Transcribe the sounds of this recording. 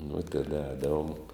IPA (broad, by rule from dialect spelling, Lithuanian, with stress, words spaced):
nʊ tʲɛˈdɐ ˈɛːdɐʋoːm